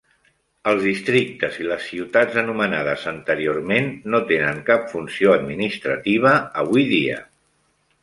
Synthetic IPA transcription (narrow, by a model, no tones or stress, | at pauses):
əlˠzðist̪ɾik̚t̪əziləsːiwt̪ad͡zənumənað̞əzənt̪əɾiormenːot̪enəŋkapfunsioəd̪minist̪ɾət̪iβ̞əəβ̞ujðiə̰